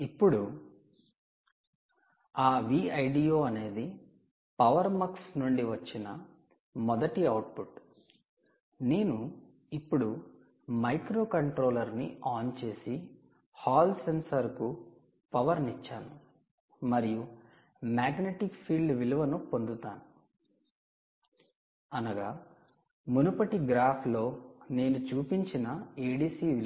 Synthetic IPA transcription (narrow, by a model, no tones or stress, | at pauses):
ipːuɽu | aːʋiːɐjɖijo̞ːɐne̞ːd̪i | pɐʋɐɾmɐksnuɳɖiʋɐt͡ʃːinɐ | mɔd̪ɐʈiɐwʈ̚puʈ | ne̞ːnu | ipːuɽu | mɐjkɾo̞ːkɐɳʈɾo̞ːlɐɾniaːnt͡ʃe̞ːsi | haːlsensɐɾku | pɐʋɐɾnit͡ʃːaːnu | mɐɾiju | maːɡneʈikpʰiːlɖʋiluʋɐnupo̞nd̪ut̪aːnu | ɐnɐɡaː | munupɐʈiɡɾaːpʰlo̞ːne̞ːnut͡ʃuːpiɲt͡ʃinɐeːɖiːsiːʋil